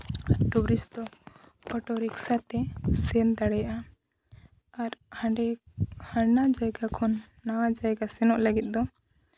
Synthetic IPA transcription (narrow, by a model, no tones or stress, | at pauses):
aɾʈuɾisd̪ɔ | kɔʈɔɾiksat̪ɛsɛnd̪aɽɛjaʔa | aɾhãɳɖɛhanad͡ʒajɡakʰɔnː | awad͡ʒajɡasɛnɔʔləɡit̪̚ˀd̪ɔ